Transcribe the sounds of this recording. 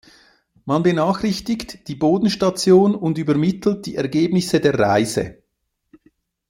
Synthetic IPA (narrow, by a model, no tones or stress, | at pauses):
manbənaːxʁɪçtɪktd̥iːboːdn̩ʃtat͡sjoːnʊndyːbəɐmɪtl̩t̚d̥ḭːɛɐɡeːbnɪsədeːɐʁaɪzə̰